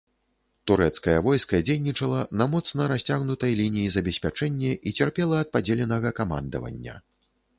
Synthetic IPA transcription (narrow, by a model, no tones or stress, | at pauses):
t̪uɾɛt̪skɐjɐvɔjskɐd͡zʲejnʲit͡ʂɐlˠɐnɐmɔt̪snɐɾasʲt͡sʲaɣnut̪ɐjlʲinʲijizɐbʲɛsʲpʲat͡ʂɛnʲːɛʔit͡sʲɛrpʲɛlˠɐːt̪̚pad͡zʲelʲɛnɐɣɐkama̰nd̪ɐ̰vɐ̰nʲːɐ̰